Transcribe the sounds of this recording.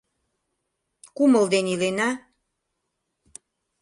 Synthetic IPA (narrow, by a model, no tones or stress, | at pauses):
kuməld̪enilena